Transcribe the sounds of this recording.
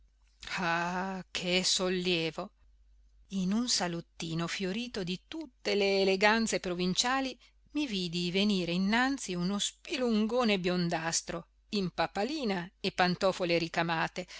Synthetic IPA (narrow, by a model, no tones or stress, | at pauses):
akʰesolːjɛːvo | inunsalot̪ːiːnofjoɾiːt̪od̪it̪ut̪ːeleːleɡant̪sepɾovint͡ʃaːli | mivid̪iveniːɾeinːant̪siunospiluŋɡoːnebjond̪ast̪ɾo | impapaliːnaepant̪ɔfoleɾikamaːt̪e